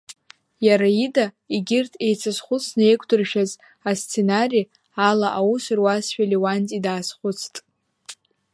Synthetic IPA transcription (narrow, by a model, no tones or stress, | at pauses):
jaɾaida | iɡʲɪrtʼʰe̞jt͡sʰasχʷʊt͡sʰnɨejkʷʰʼdɨrʃᶣaz | ast͡sʰe̞nari | alaʔawusɨrwasʃᶣaliwant͡sʼidaːsχʷʊt͡sʰtʼ